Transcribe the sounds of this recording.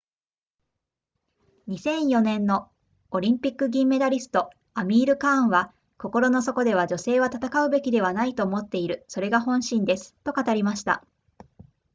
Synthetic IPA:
ɲ̟isẽ̞ɰ̃jo̞nẽ̞nːo̞ː | ɾʲĩmpʲikːɯ̟ɡʲĩmːe̞d̪aɾʲisɨ̥t̪o̞ | amʲiːɾɯ̟kãɰ̃βa | ko̞ko̞ɾo̞no̞so̞ko̞d̪e̞β̞ad͡ʑo̞se̞ːβat̪at̪akaɯ̟be̞kʲid̪e̞β̞anait̪o̞ːmo̞t̪ːe̞iɾɯ̟so̞ɾe̞ɡahõ̞ɰ̃ɕĩnd̪e̞sɨ̥t̪ːo̞kat̪aɾʲimaɕi̥t̪a̰

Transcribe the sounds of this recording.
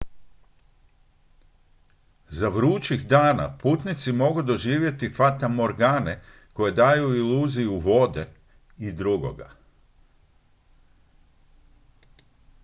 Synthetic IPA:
zaʋɾuːt͡ʃiɣd̪aːna̰puːt̪nit̪simo̞ɡud̪o̞ʒiːʋje̞t̪ifat̪amo̞ɾɡaːne | ko̞je̞d̪aːjuiluːzijuʋo̞d̪e̞ | id̪ɾuɡo̞̰ɡa̰

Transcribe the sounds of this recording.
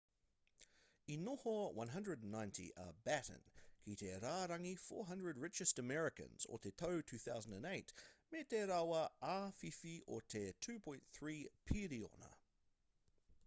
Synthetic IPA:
ɪ̃nːɔhɔwʌ̰̃nɦʌ̃ndɹədn̩ːãɪ̃ntʰḭʔə̰bæɾə̰̃nkʰitʰɛɾaɾʌ̃ŋifɔ̰ːɹɦʌ̃ndɹəd̚ɹɪt͡ʃɨstəmɛɹɪkə̰̃nz̥ɔ̰tʰɛtʰəʊtʰʉːθaʊzə̃n̩də̃neɪtmɛtʰɛɾawəʔafifiʔɔ̰tʰɛtʰʉːpʰɔ̃ɪ̃nθɹiːpʰiɾiɔ̰nə̰

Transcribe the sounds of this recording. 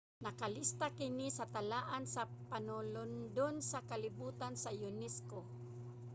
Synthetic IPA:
nɐkalist̪akɪnisat̪alaːʔansapanʊlʊnd̪ʊnsakalɪbuːt̪ansajʊnɛsko

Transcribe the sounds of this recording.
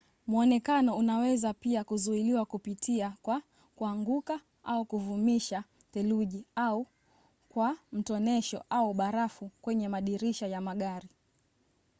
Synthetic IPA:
muɔnɛkanɔunawɛzapiakuzuiliwakupitʰiakwa | kuaŋɡuka | aukuvumiʃa | tɛluʄiau | kwam̩tɔnɛʃɔ̰ʔauɓaɾafukwɛɲɛmaɗiɾiʃajamaɠaɾi

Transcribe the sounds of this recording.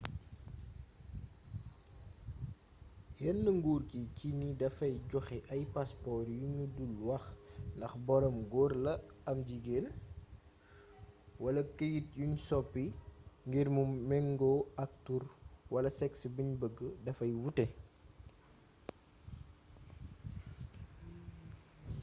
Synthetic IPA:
jɛnːəŋɡuːrkicinidɐfɐjɟɔxɛʔɐjpaspɔɾjuɲudulwɐxndɐxbɔɾɔmɡɔrlɐɐmɟiɡel | wɐlɐkəjit̚juɲsɔpːiŋɡiɾmumɛŋɡɔɐk̚turwɐlɐsɛksbiɲbəɡːədɐfɐjwutɛ

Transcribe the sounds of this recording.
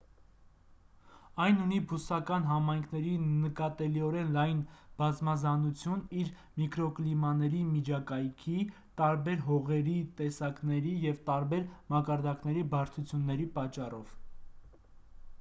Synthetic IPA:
ɑjnunibusɑkɑnɦɑmɑjŋkʰnɛɾinəkɑt̪ɛliɔɾɛnlɑjnb̥ɑzmɑzɑnut͡sʰjuniɾ | mikɾɔklimɑnɛɾimid͡ʒʰɑkɑjkʰi | t̪ɑɾbɛɾɦɔʁɛɾit̪ɛsɑknɛɾijɛvt̪ɑɾbɛɾmɑkɑɾd̪ɑkn̪ɛɾibɑɾt̪ʰut͡sʰjunːɛɾipɑt͡ʃːɑrɔv̥

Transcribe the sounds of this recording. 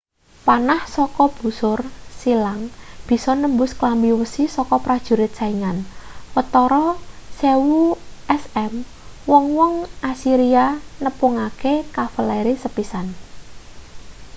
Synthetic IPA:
panahsɔkɔb̥ṳsʊrsilaŋb̥i̤sɔnəmbʊsklambiwəsisɔkɔpɾad̥ʒ̥ṳɾɪt̪̚saiŋanwət̪ɔɾɔsewuɛsɛm | wɔŋwɔŋasiɾianəpuŋakekafəlɛɾisəpisan

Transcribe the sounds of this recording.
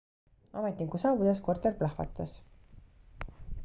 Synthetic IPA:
ɑ̰met̪ʲːˑiŋkusɑːvud̪eskort̪ˑerplɑhvɑ̰t̪ːˑɑs

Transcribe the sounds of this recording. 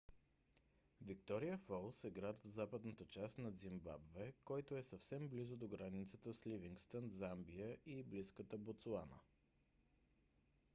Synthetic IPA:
vik̚t̪ɔɾijəfɔlˠsɛɡɾat̪vzapəd̪nət̪ət͡ʃast̪nɐd̪zimba̰bvɛkɔjt̪oɛsəfsɛmblizʊd̪oɡɾanit̪sət̪əsliviŋkst̪ənzambijəʔibliskət̪əbot̪suanə̰

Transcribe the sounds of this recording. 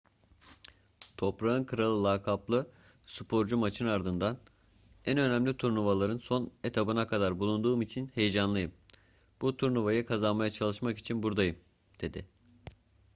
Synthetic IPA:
t̪ʰo̞pɾaɯnkʰɯɾalˠɯlˠaːkʰaplˠɯ | sɯpʰo̞ɾd͡ʒumat͡ʃʰɯnaɾd̪ɯnd̪an | ænø̞næmlʲit̪ʰuɾnuvalˠaɾɯnso̞ne̞t̪ʰabɯnakʰad̪aɾbulˠund̪uːmit͡ʃʰinhe̞jed͡ʒanlˠajɯm | b̥ut̪ʰuɾnuvajɯkʰazanmajat͡ʃʰalˠɯʃmaki̥t͡ʃʰinbuɾd̪ajɯm | d̪̥e̞d̪ɪ

